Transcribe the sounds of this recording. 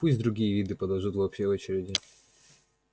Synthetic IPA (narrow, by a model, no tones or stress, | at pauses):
pusʲd̪ɾʊɡʲijəvʲid̪ɨpəd̪ɐʐut̪vɐːpɕʲeot͡ɕɪɾʲɪdʲɪ